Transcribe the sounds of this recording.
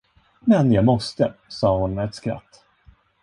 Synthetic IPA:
mɛnjɑːɡmɔst̪əsɑːhʊnɛt̪skɾa̰t̪ː

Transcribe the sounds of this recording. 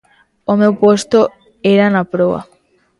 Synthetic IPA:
omewpost̪o | eɾanapɾoβa̰

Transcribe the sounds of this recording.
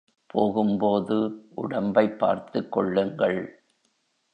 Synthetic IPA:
pʰoːɣɯmpoːðɯʔʊɽɐmbɐɪpːa̰ːɾt̪ɯkːɔɭːɯŋɡɐɭ

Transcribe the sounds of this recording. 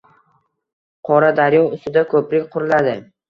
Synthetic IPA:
qʰɒɾad̪aɾjɒnʊst̪ɪd̪akʰɵpɾɪk̚ʲqʰʊɾɪlad̪ɪ

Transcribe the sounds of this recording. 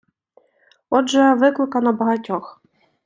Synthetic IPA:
ɔdʐɛvɪklɪkanabɔɦatʲɔx

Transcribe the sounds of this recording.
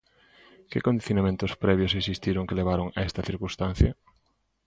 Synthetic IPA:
kekond̪iθjonamẽnt̪ʊspɾɛβjosesist̪iɾoŋkeleβ̞aɾoŋaɛst̪ɐθiɾkũst̪ãn̟θjɐ

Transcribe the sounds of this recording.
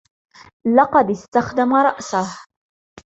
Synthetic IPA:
lɑqɑd̪ɪst̪axd̪amaɾˤɑʔsah

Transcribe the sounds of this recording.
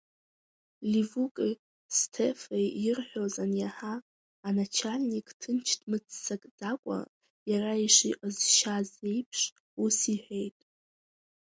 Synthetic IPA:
livukʼi | stʰefejjɪrħʷᶣozanjaħaː | nat͡ʃʰalʲnikʼʰtʰɨnt͡ʃʰtʰmɨt͡sʰːakʼd͡zakʷʼa̰ | jaraiʂiʔʼazʃaze̞jpʰʂ | usiħʷᶣe̞jtʼ

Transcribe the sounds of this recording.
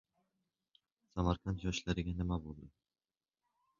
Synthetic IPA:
samaɾkʰant̪jɒʃlaɾɪɡʲanɪmabolˠd̪ɯ

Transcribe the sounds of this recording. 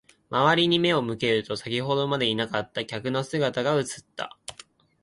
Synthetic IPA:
maβaɾʲiɲ̟ime̞o̞mɯ̟ke̞ɾɯ̟t̪o̞sakʲiɦo̞d̪o̞mad̪e̞inakat̪ːakʲakɯ̟no̞sɨɡat̪aɡaɯ̟t͡sɨ̥t̪ːa̰

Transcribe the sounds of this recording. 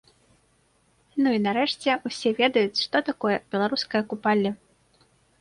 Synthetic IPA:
nuinaɾɛʂt͡sʲɛusʲɛvʲɛd̪ɐjut͡sʲʂt̪ɔt̪akɔjɐb̥ʲɛlˠaɾuskɐjɐkupalʲːɛ

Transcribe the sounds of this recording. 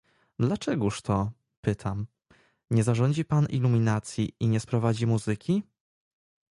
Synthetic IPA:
d̪lat͡ʂɛɡuʂt̪ʰɔ | pɘt̪ʰam | ɲɛzaʐɔɲd͡ʑipanḭlumʲinat̪sʲjiiɲɛspɾɔvad͡ʑimuzɘkʲʰi

